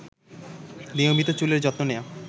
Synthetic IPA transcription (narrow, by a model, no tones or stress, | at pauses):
niomit̪ot͡ɕuleɾd͡ʑɔt̪nonea